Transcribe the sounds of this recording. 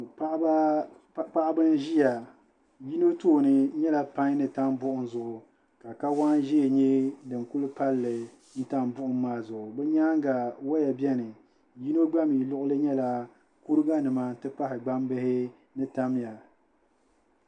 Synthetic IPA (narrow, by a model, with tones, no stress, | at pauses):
k͡pa˦ʔbɨ˦n˦ʒi˦ja˨ | ji˦no˦toː˦˨nɨ˦ɲɛ˦la˨pa˦ɲ˦nɨ˨ta˦mbʊ˦ʔʊ˨nzʊ˨ʔʊ˨ | ka˨ka˦wa˦nʒɛ˦˨ɲɛ˦dɨ˨ŋku˦lpa˦lːɨ˨ | n̩˦ta˦mbʊ˦ʔʊ˨mːaː˦zʊ˨ʔʊ˨bɛ˦ɲaː˦ŋɡa˨wa˦jɛ˨bjɛ˦nɨ˨ | ji˦no˦ɡ͡ba˦mi˨lʊ˦ʔʊ˦lɨ˦ɲɛ˦la˨ | ku˦ɾɨ˦ɡa˦nɨ˨ma˦tɨ˦pa˦ɦɪ˨ɡ͡ba˦mbɨ˦hɪ˦ | nɨ˦ta˦m˦ja˨